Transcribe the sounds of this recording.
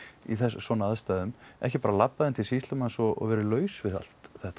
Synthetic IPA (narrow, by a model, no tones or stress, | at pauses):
iθɛssɔnaðst̪aːðʏmʔɛ̰hcɪpaːɾalapːaðɪnt̪ʰɪlsist̪lʏmasɔɔ̰ɣvɛːɾɪlœːɥsvɪða̰l̥t̪θɛht̪a